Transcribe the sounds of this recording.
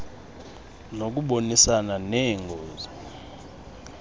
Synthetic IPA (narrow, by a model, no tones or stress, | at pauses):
nok̬ʼuɓonisananɛŋɡʱoːzi